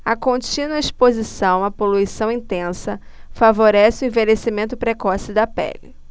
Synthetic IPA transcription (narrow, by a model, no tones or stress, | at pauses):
ɐkõt͡ʃĩnwɐispozisɐ̃w̃ɐpoluisɐ̃w̃ĩnt̪ẽsɐ | favoɾɛsɪʊẽvelesimẽnt̪ʊpɾekɔsɪd̪ɐpɛ̰lɪ